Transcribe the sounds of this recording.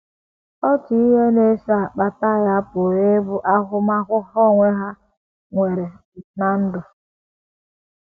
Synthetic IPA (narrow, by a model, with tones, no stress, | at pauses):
ɔ˦ti˦i˦ɦe˦ne˦sa˦˨k͡pa˨ta˦˨ɣa˦pʊ˨ɾe˦bʊ˦ʔa˦ɦʊ˦ma˦kʷʊ˦ɦɔ˦ŋʷe˦ɦa˦ | ŋʷe˨ɾe˨ | na˨n̩˦dʊ˨